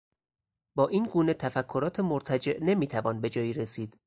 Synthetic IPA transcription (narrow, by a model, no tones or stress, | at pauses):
bɒːʔiːnɡuːne̞t̪ʰæfækʰːoɾɒːt̪ʰemoɾt̪ʰæd͡ʒe̞ʔne̞miːt̪ʰævɒːnbe̞d͡ʒɒːjiːɾesiːd̪̥